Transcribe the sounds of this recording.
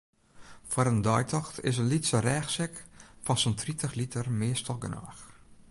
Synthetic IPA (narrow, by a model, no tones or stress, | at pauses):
fʊɾəndɔjtʰɔxtʰɪ̰s̬ənlitsərɛːxsɛkfɔnsəntʰritʰəxlitʰərmɪəstɔɡəna̰ːx